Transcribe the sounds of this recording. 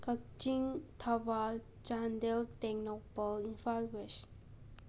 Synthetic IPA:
kək̚t͡ʃiŋt̪ʰəʋal | t͡ʃãnd̪elt̪eknopəlinfalweʃə̥n

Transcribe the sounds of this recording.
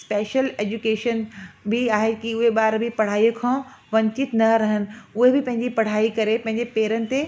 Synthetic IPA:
speːʃəleːd͡ʑukeːʃənbʱɪaːɦekiʊɦeɓaːɾbʱipɐɽ̤aːijũkʰãːʋɐ̃ɲt͡ɕɪt̪nɐɾɐɦənɪ̆ʊɦebɪpɐ̃ɦɪ̃ɲd͡ʑipɐɽ̤aːikɐɾepɐ̃ɦɪ̃ɲ̆d͡ʑepeːɾənɪ̆t̪e

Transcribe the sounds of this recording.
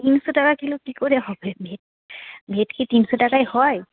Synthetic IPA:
tinsɔtakakilɔkikoɹɛɦɔbɛbʱet̚ | bʱetkʰitinsɔtakajhɔj

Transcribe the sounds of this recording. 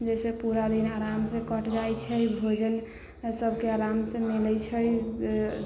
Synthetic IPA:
d͡ʒesepuɾad̪inaɾamsẽkəʈd͡ʒajt͡ʃʰəjbʱod͡ʒən | səb̚ʱkeaɾamsẽmelɛt͡ʃʰəj

